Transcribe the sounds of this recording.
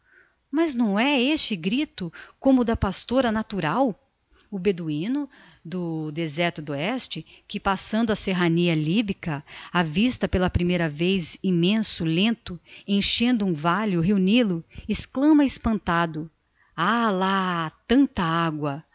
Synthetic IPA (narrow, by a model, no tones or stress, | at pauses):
mɐznɐ̃w̃ɛest͡ʃɪɡɾit̪ʊkõmʊd̪ɐpast̪oɾɐnat̪uɾaw | ʊbed̪uĩnʊ | d̪ʊd̪ezɛɾt̪ʊd̪ʊɛst͡ʃɪkɪpasɐ̃nd̪ʊɐseɦɐniɐlibikɐavist̪ɐpelɐpɾimejɾɐvejzimẽsʊlẽnt̪ʊẽj̃ʃẽnd̪ʊũvaljʊɦeunilʊɪsklɐ̃mɐɪspɐ̃nt̪ad̪ʊ | alat̪ɐ̃nt̪ɐaɡwɐ